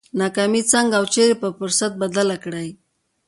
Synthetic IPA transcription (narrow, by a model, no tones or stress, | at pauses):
nakamit͡saŋɡawt͡ʃeɾepəfʊɾsat̪̚bad̪alakɽaj